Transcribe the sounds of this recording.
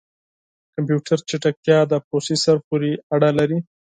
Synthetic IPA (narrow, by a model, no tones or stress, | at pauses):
kampjuʈʰaɾt͡ʃeʈak̚t̪jɑd̪əposisaɾpoɾeaɽalaɾi